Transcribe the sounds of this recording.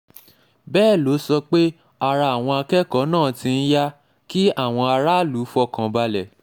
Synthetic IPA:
bɛː˦˨lo˨˦sɔ˧k͡pe˦ | a˨ɾa˧a˨w̃ɔ̃˧a˧kɛ˦kɔ˨˦nãː˦˨tĩ˧n̩˦ja˦ | ki˦a˦˨w̃ɔ̃˧a˧ɾa˦lu˨˦fɔ˧kã˨ba˧lɛ˨

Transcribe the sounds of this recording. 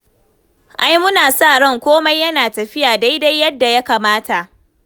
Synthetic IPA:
ʔa˦jmʊ˦naː˨sa˦˨ɽɔ˦ŋkʷoː˦ma˦jːɐ˦naː˨tɐ˨ɸɪ˦jaː˨da˦jda˦jːɐ˦dːa˨ja˦kaː˨maː˦tʰa˨ʔ

